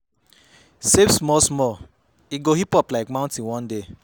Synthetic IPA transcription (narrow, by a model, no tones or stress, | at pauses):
sevsmɔsmɔ | iɡohipɔplaɪkmãʊ̃ntĩwɔ̃nde